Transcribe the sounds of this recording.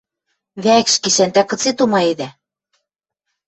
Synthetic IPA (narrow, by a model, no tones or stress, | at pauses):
βækʃkiʃænt̪ækɤ̆t͡set̪umɑed̪æ